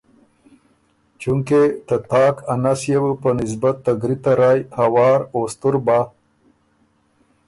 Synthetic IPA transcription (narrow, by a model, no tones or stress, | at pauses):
t͡ʃuŋket̪ət̪ɑːkʰanasjewəpənis̬bat̪ːaɡɾit̪aɾaːjhawɑːɾoːst̪uɾbaː